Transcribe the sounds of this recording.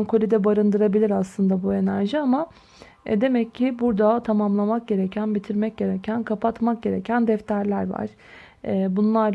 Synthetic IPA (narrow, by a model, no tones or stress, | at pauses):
nkʰo̞lʲid̪ɛbaɾɯnd̪ɯɾabilʲiɾaslˠɯnd̪abue̞næɾʒɯama̰ | d̪e̞mɛcʰːɪbuɾd̪at̪ʰamamlˠamak̚ɟe̞ɾecʰænbit̪ʰiɾmɛc̚ɟe̞ɾecʰænkʰapʰat̪mak̚ɟe̞ɾḛcʰænd̪ɛft̪ʰæɾlʲæɾva̰ɾ̥ | ɛːbunlˠaɾ